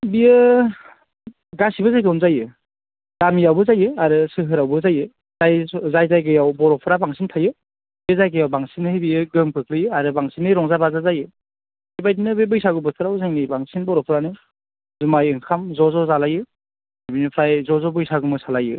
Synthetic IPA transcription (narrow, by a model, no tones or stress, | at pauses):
bijɯ | ɡasibɯzajɡɯnzajɯ | ɡ̥amijawbɯzajɯaɾɯsɯɦɯɾawbɯzajɯ | zajzajzajɡɯjawbɔɾɔpʰɾabaŋsʰintʰajɯ | biezajɡɯjawbaŋsinɯhejbijɯɡɯmpʰɯk̚lɯjɯaɾɯbaŋsinɯɾɔŋzabazazajɯ | hibajdinɯbebɯjsaɡɯbɯtʰɯɾawzajnɯjbaŋsinbɔɾɔpʰɾanɯ | zumajɯŋkʰamzɔzɔzalajɯ | abinɯpʰɾajzɔzɔbɯjsaɡɯmɯsalajɯ̰